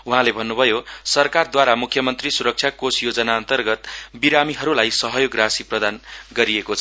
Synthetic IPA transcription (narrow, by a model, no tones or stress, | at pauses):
uɦãlebʱʌnːubʱʌjosʌrkard̪waɾamukʰjʌmʌnt̪risuɾʌk̚t͡sʰjakosjod͡zʌnaːnt̪ʌrɡʌt̪biɾamiɦʌɾulajsʌɦʌjoɡrasiprʌd̪anɡʌɾiekot͡sʰʌ